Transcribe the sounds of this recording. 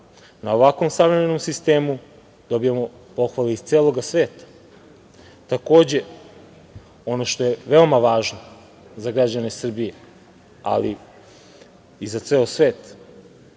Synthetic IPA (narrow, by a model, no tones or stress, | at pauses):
nao̞ʋakʋo̞msaʋɾe̞me̞no̞msist̪e̞ːmu | d̪o̞bijemo̞ | po̞xʋaleist̪seːlˠo̞ɡasʋeːt̪ḁ | t̪ako̞ːd͡ʑe̞ | o̞no̞ʃt̪o̞je̞ʋe̞o̞maʋaːʒno | zaɡɾad͡ʑane̞sr̩bije | a̰lḭ | izat̪seːosʋeːt̪